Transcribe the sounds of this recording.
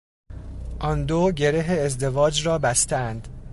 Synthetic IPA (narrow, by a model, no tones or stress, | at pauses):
ʔɒnd̪oɟe̞ɾeɦeːzd̪e̞vɒːd͡ʒɾɒːbæst̪ʰæænd̪